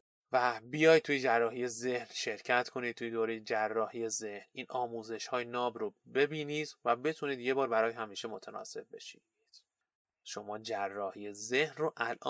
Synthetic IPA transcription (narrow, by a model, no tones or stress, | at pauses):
væbijɒːjd̪̚t̪ʰuːjed͡ʒærːɒːɦije̞ze̞hnʃe̞ɾcʰæt̪ʰkʰo̞niːd̪̚t̪ʰujed̪oːɾe̞jed͡ʒærːɒːhiːje̞ze̞hnʔiːnʔɒːmuːze̞ʃhɒːjenɒːbɾobe̞biːniːd̪̥væbe̞t̪ʰuniːd̪jebɒːɾbæɾɒːjhæmiːʃe̞mo̞t̪ʰænɒ̰ːse̞b̚be̞ʃi | d̪̥ | ʃo̞mɒːd͡ʒærːɒːhiːjezehnroʔælʔɒ̰ː